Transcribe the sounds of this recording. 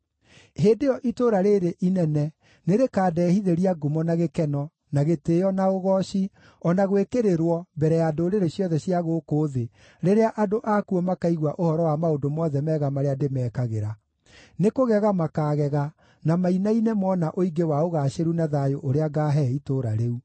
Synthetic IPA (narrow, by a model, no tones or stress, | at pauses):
heːndejɔʔitoɾaɾeɾeʔinɛnɛ | neɾekaːdɛhiðeɾiaɡomɔnaɣekɛnɔ | naɣetejɔnaoɣɔʃi | ɔnaɣwekeɾeɾwɔbɛɾɛjaːdoɾeɾeɕjɔðɛɕjaɣokoːðe | ɾeɾeaʔadoʔakuɔmakaiɣwaʔohɔɾɔwamaondomɔðɛmɛɣamaɾeademɛːkaɣeɾa | nekoɣɛɣamakaːɣɛɣa | namainainemɔnaʔoiɡewaoɣaɕeɾunaðajoʔoɾeaɡaːɦɛitoɾa̰ɾeu